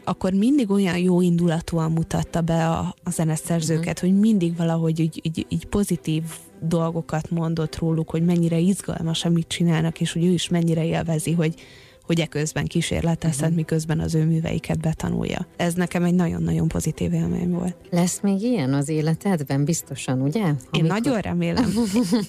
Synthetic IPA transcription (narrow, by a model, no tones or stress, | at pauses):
ɒkːo̞rmind̪iɡo̞jɒnjoːind̪ulɒt̪oɒmːut̪ɒ̰t̪ːɒbɛɒ̰ːzɛnɛsɛrzøːkɛt̪ho̞ɟmind̪iɡvɒlɒɦo̞ɟiːɟiːɟiːɟpo̞zit̪iːv | d̪o̞lɡo̞kɒt̪mo̞nd̪o̞t̪roːlukho̞ɟmɛɲːiɾɛizɡɒ̰lmɒʃɒmmit̪̚t͡ʃinaːlnɒkeːʃho̞ɟøːiʃmɛɲːiɾɛeːlvɛziɦo̞ɟ | ho̞ɟɛkøzbɛŋkiʃḛːrlɛt̪ɛsɛnt̪mikøzbɛnɒ̰zøːmyːvɛ̰jḭkʰɛd̪̚bɛt̪ɒ̰nṵjːɒ̰ɛznɛkɛmɛɟnɒɟo̞̰nːɒɟo̞̰mpo̞zit̪ḭːvelmḛɲvo̞̰ːlt̪lɛsmeːɡijɛnɒzeːlɛt̪ɛd̪bɛmbist̪o̞ʃɒnuɟɛeːnːɒɟo̞nrɛ̰meːlɛ̰m